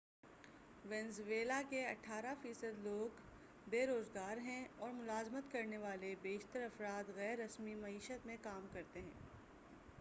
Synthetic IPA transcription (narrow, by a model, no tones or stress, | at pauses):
ʋɛ̃nzʋeːlakeɐʈʰaːɾafiːsəd̪loːɡ | beːɾoːzɡaːɾɦɛ̃ɔːɾmʊlaːzmət̪kɐɾneʋaːlebeːʃt̪əɾɐfɾaːt̪ɣɛːɾːɐsmimɐiːʃət̪mẽkaːmkɐɾt̪eɦɛ̃ː